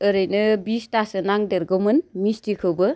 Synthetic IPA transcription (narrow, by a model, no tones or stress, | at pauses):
ɯɾɯjnɯbistasɯnaŋdeɾɡomɯnmistikʰɯwbɯ